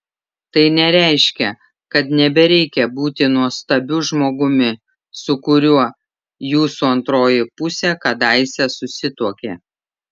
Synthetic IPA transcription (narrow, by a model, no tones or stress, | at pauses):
t̪ɐɪnʲɛɾʲæˑɪʃʲkʲɛ | kɐt̪nʲɛbʲɛɾʲɛɪkʲɛbuːt̪ʲɪnuɔst̪ɐbʲʊʒmoːɡʊmʲɪ | sʊkʊɾʲuɔ | juːsuɐnt̪ɾoːjɪpʊsʲɛkɐd̪ɐˑɪsʲɛsʊsʲɪt̪uɔkʲḛː